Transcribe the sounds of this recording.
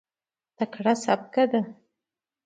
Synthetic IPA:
t̪akɽasap̚kad̪a

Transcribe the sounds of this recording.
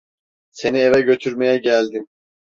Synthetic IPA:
se̞nievɛɟø̞t̪ʰyɾmejɛɟælʲd̪im

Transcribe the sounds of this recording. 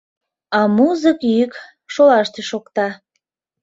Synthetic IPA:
ɑmuzəkjyk | ʃolɑʃt̪eʃokt̪ɑ

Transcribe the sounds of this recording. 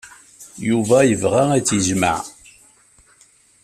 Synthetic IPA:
juvæjəvʁaæt͡sːiʒma̰ʕ

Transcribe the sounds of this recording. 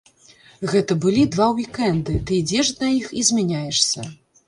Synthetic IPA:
ɣɛt̪ɐbɨlʲid̪vawjʲikɛnd̪ɨt̪ɨid͡zʲɛʂd̪ɐixizʲmʲanʲajɛʂsʲɐ

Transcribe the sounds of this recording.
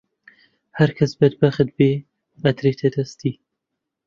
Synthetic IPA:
hɐɾkʰɐsbɐd̪bɐxɨd̪̚beː | ɐt̪ɾet̪ʰɛd̪ɐst̪iː

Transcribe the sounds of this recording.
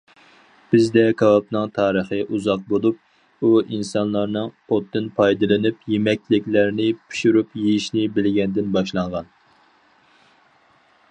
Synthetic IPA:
b̥ɪzd̪ɛkʰɑwɑp̚nɨŋt̪ʰɑːɾəχəʔuzɑq̚bolˠup̚ | uinsɑnlˠɑɾnɨŋot̪ːɨnpʰɑjd̪ɨlˠɨnɪpjemɛkʲlɪkʲlæɾnɪpʰy̥ʃuɾupjejiʃnɪbɪlɡʲɛnd̪ɪnbɑʃlˠɑɴʁɑn

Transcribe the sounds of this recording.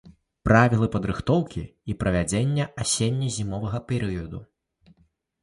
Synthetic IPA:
pɾavʲilˠɨpɐd̪ɾɨxt̪ɔwkʲḭipɾɐvʲad͡zʲenʲːɐʔasʲenʲːizʲimɔvɐɣɐpʲɛɾɨjɐd̪u

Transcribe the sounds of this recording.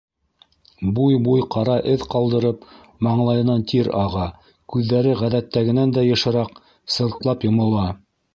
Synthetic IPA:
bujbujqʰɑɾɑʔɘðqɑlˠd̪ɤ̆ɾɤp | mɑɴlˠɑjɤ̆nɑnt̪ʰiɾɑʁɑ | kʉðːæɾɘʁæðæt̪ːæɡɘ̆nænd̪æjɤ̆ʃɤ̆ɾɑq | sɤ̆ɾt̪lˠɑpjŏmɤ̆lˠɑ

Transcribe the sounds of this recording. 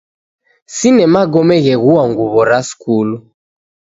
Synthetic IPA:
sinɛmaɡɔmɛɣɛɣuaŋɡuβɔɾaskulu

